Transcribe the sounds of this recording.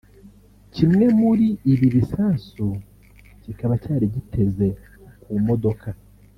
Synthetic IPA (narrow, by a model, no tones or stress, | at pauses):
cimŋe̞muɾiːβiβisaːsu | cikaβacaːɾiɟitʰe̞ze̞ | kumo̞do̞ka